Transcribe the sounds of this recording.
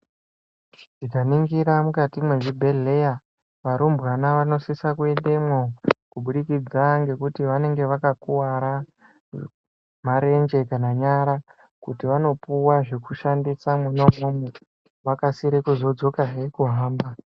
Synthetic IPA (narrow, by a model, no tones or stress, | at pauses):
ʐ̥ikaniŋɡiɾamukatimwe̞ʐibʱe̞ɮe̞ja | ʋaɾumbɣanaʋano̞sisakuenɗemwokuɓuɗikid͡zaŋɡe̞kutiʋane̞ŋɡe̞ʋakakuwaɾa | maɾe̞nd͡ʒe̞kanaɲaɾa | kutiʋano̞puwaʐe̞kuʃandisamuno̞mume | ʋakasiɾekuzo̞d͡zo̞kaɦe̞kuɦaːmba